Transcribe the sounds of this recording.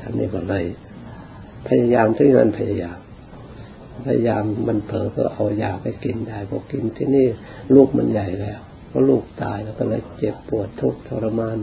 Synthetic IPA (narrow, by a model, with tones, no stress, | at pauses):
t̪ʰa˧nḭː˧˩kɔ˧˩la˧˩j | pʰa˧ja˧jaː˧mt̪ʰɯ˧˦ŋa̰ː˧˨npʰa˧ja˧jaː˧m˧˩ | pʰa˧ja˧jaː˧mːa˧˨npʰɤː˨˦pʰɯ̰˧˥˩ɐʔa˧wjaː˨˩pa˧˩jki˧nda˧˩jbʰɔ̰˧˦ki˧nt̪ʰiː˧˨niː˥˩ | luː˥˩k̚ma̰˧nja˨˩jlɛː˧˩w | pʰɔː˧˩luː˧˩k̚t̪a̰ː˧˩jlɛː˧˩wkɔː˧˩lɤː˧˥˩jt͡ɕe˨˩pːu˨˩ət̪ʰːu˦˥˩k̚t̪ʰo˧ɾa˧maː˧˥˨n